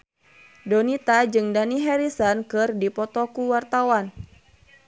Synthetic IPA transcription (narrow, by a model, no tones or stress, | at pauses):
dɔnit̪ad͡ʒɨŋdaniɦɛɾisankɨrdipɔt̪ɔkuwart̪awan